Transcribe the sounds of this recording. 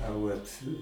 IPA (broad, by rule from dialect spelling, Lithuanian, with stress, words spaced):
ɐ ˈʋɐtʲ